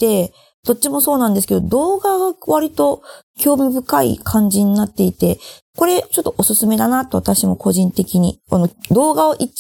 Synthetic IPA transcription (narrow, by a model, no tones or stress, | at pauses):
t̪e̞ | d̪̥o̞t̚t͡ɕt͡ɕimo̞so̞ːnãnd̪e̞sɨ̥ke̞d̪o̞d̪o̞ːɡaɡaβaɾʲit̪o̞kʲo̞ːmʲibɯ̟kaḭkʰãɲ̟d͡ʑiɲ̟inat̪ːe̞it̪e̞ | ko̞ɾe̞t͡ɕo̞t̪ːo̞ʔosɨsɨme̞d̪anat̪ːoβat̪aɕimo̞ko̞ʑĩnt̪e̞kʲiɲ̟ianod̪o̞ːɡao̞ʔi